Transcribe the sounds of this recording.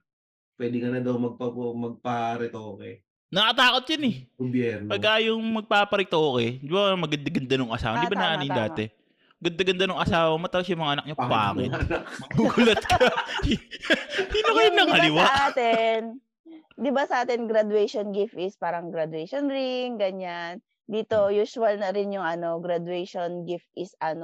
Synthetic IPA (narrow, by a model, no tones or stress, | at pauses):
pwɛːd̪ɪkɐnɐd̪ɐwmɐɡ̚pɐmɐɡ̚pɐɾɪt̪oːkɛ | nɐkɐt̪aːko̞t̪̚jɐnɛɡobjɛɾnpɐɡaːjoŋmɐɡ̚paːpɐɾɪt̪oːkɛnd̪ɪbanmɐɡɐnd̪aɡɐnd̪anʊŋʔɐsa̰ːwaɐnd̪ibaɐnɐʔanɪnd̪aːt̪ɛ | mɐɡɐnd̪aɡɐnd̪anʊŋʔɐsaːwɐmot̪apos̬jʊmɐŋaʔɐnɐk̚ɲopba̰ːkɪ̰t̪nakɐɡuːɡʊlɐt̪̚kʰɐ | inokɐjʊnɐŋɐlɪwaʔaːtt̪ɛn | d̪ɪbasɐʔaːt̪ɪnɡɾad̪wɛjʃonɡɪft̪ɪspaːɾɐŋɡɾad̪ʊɛjʃonɾɪŋɡɐɲan | d̪iːt̪ojuːsʊwɐlnɐɾɪnjʊŋɐno̞ɡɾɐd̪wɛjʃonɡɪft̪̚ʔɪsʔɐno